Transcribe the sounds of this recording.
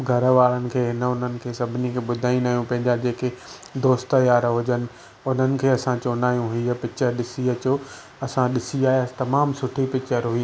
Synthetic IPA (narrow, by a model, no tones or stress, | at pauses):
ɡʱɐɾʋaːɭənɪ̆kʰeːɦɪnəʊn̤ənɪ̆kʰeːsɐbʱɪnikʰeːɓʊd̪ʱaːĩnaːjũpɐ̃ɦɪ̃ɲd͡ʑad͡ʑeːke | d̪oːst̪əjaːɾɦʊd͡ʑənɪ̆ | ʊn̤ənɪ̆kʰeːɐsãt͡ɕoːnaːjũɦiːɐpɪt͡ɕəɗɪsiɐt͡ɕo | ɐsãɗɪsiaːijt̪ɐmaːmsʊʈʰipɪt͡ɕəɾʊi